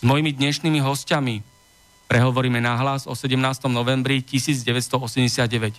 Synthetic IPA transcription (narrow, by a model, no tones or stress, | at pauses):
zmɔjimid̪ɲɛʃniːmiɦɔscami | pɾɛɦɔʋɔɾiːmɛnaɦlazɔsɛɟɛmnaːst̪ɔmnɔʋɛmbɾicisiːd͡zɟɛʋɛtst̪ɔɔsɛmɟɛsɪad̪ɟɛʋɛc